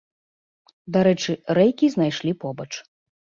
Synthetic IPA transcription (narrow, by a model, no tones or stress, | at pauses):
d̪aɾɛt͡ʂɨɾɛjkʲiznajʂlʲipɔbɐt͡ʂ